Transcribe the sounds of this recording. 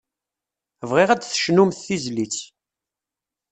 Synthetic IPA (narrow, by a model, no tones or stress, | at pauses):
vʁiʁæd̪θə̥ʃnumθθizlit͡s